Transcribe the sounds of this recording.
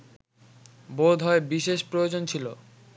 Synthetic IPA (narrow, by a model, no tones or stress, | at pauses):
bod̪ʱɦɔebiʃeʃpɾojod͡ʑont͡ɕʰilo